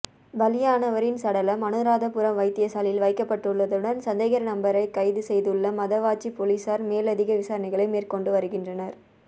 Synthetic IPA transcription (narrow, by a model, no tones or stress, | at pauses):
bɐlɪjaːnɐʋɐɾɪnsɐɽɐlɐmɐnɯɾaːðɐpɯɾɐmʋɐɪt̪ːɪjɐsaːlɪlʋɐɪkːɐpːɐʈːɯɭːɐðɯɽɐnsɐnd̪ɐɪɣɐɾɐnɐmbɐɾɐɪkɐɪðɯsɛjðɯɭːɐmɐðɐʋaːt͡ʃːipoːliːsaːɾmeːlɐðɪɣɐʋɪsaːɾɐnɪɣɐɭɐɪmeːrkɔɳɖɯʋɐɾɯɣɪndrɐnɐɾ